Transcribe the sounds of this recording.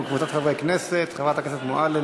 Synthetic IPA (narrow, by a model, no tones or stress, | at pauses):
kvut͡sat̪χavʁejkneset̪χavʁat̪akneset̪moʔale